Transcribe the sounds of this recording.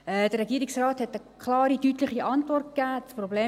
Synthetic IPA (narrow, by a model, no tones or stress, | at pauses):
ɛd̥ərɛɡiəɾɪksraːthɛtəkʰχlɑːɾitytlɪχiʔɑntvɔrt̚kæːsprobleː